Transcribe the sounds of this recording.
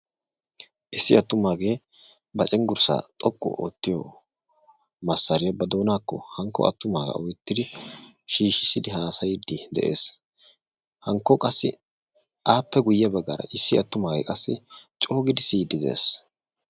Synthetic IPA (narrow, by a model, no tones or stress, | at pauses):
ʔɪsːɪɐt̪ːʊmaːɡe̞ː | bɐt͡ʃʼɛŋɡʊɾsa̰ːt̪ʼɔkʼːɔ̰o̰ːt̪ːɪjo̰ | mɐsːɐɾɪjɐbɐd̪oːnaːkːɔhɐŋkːɔ̰ɐ̰t̪ːʊmaːɡɐ̰ʔɔjt̪ːɪd̪ɪ | ʃiːʃɪsɪd̪ɪɦaːsɐjd̪ːɪd̪ɛ̰ʔe̞ːs | hɐŋkːɔkʼɐsːɪ̰ | ʔaːpːɛɡʊjːɐbɐɡːa̰ːɾɐ̰ʔɪsːɪɐt̪ːʊmaːɡḛːkʼɐsːɪ̰t͡ʃʼo̞ːɡɪd̪ɪsiːd̪ɪd̪ḛːs